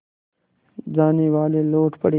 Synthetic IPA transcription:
d͡zaːniwaːleloːʈpəɽi

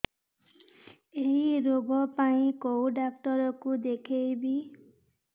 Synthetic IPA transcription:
ejɾoɡɔpaĩkowɖakʈɔɾɔkud̪ekʰejbi

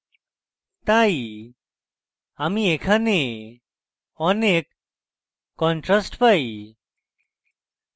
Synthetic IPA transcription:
t̪ai | amiekʰane | ɔnekː | ɔ̃nʈɾasʈpai

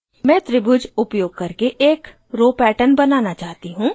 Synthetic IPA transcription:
mɛ̃ːt̪ɾɪbʊd͡ʒʊpjoːɡ̚kɐɾkeʔeːk | ɾoːpɛːʈənbɐnaːnat͡ʃaːt̪iɦũː

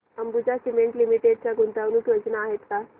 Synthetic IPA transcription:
əmbud͡ʑasimeɳʈlimiʈeɖ̚t͡ɕjaɡunt̪anukjod͡ʑnaːɦet̪ka

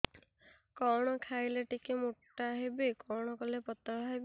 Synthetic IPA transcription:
kɔɽ̃ɔkʰajleʈikemuʈːaɦebikɔɽ̃ɔkɔlepɔt̪ːɔɾaɦebi

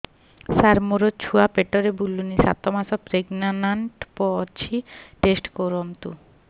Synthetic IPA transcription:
saɾmoɾot͡ɕʰuapeʈːoɾebulːunisa̰t̪ːomasɔpɾeɡnanaɳʈpɔt͡ɕʰiʈesʈkoɾomt̪ṵ

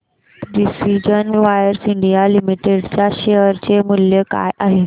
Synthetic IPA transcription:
ɖisid͡ʑənʋajəɾsiɳɖijalimiʈeɽt͡ɕjaɕejəɾt͡ɕemuljəka̰jʔaɦe

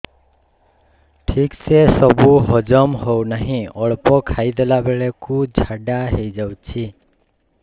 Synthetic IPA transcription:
ʈʰiksesɔbuɦɔd͡ʒɔmɦownaɦĩɔɭpɔkʰaid̪elabeɭekud͡ʒʱaɖaɦejd͡ʒawt͡ʃʰi

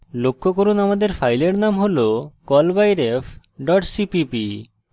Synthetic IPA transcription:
lokʰːokoɾunamad̪eɾfʰajleɾnamɦolokɔlbajɾef | ɖɔʈsipipi

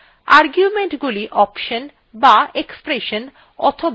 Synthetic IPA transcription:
aɾɡjumeɳʈɡuliʔɔpʃon | baekspɾeʃon | ɔ̰t̪ʰob

